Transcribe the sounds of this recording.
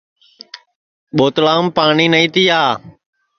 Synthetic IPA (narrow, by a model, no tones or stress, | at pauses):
ɓoːt̪laːmpaːɳiːnəĩːt̪iːaː